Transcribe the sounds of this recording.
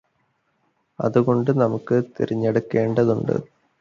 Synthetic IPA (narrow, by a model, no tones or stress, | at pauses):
ɐ̰ðuɣo̞ɳɖɨnɐmukːɨt̪iɾiɲːeɽukːe̞ːɳɖɐðuɳɖɨ̰